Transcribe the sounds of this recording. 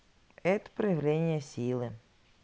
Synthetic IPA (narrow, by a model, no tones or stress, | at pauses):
ɛt̪ə̥pɾəjɪvlʲenʲɪjəsʲilˠɨ